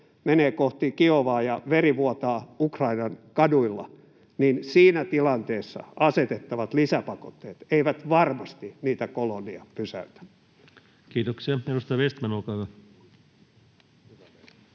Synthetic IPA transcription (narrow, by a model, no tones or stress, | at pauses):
meneːkoht̪ikioʋɑːjɑʋeriʋuot̪ɑːukrɑinɑnkɑduilːɑ̰ | ninsiːnæt̪ilɑnt̪eːsːɑ̰ɑset̪et̪ːɑʋɑt̪lisæpɑkot̪ːeːt̪eiʋæt̪ʋɑrmɑst̪iniːt̪ækoloniɑpysæ̰yt̪æ̥n | kiːt̪oksiɑenust̪ɑʋest̪mænolkɑyʋɑ